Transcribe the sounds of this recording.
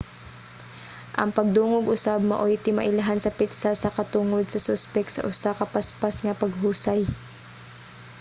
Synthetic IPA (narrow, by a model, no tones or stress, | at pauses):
ʔɐ̰ŋpɐɡ̚d̪uːŋʊɡʔʊsab̚mɐ̰ʔojt̪ɪmɐʔɪlaɦansɐpɪt̪sasɐkɐt̪uŋod̪̚sɐsʊspɛk̚t̪sɐ̰ʔʊsakɐpaspasŋɐpɐɡ̚ɦuːsaj